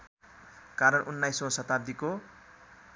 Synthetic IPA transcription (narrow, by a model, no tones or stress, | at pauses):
kaɾʌnʔunːajsõsʌt̪ab̚d̪iko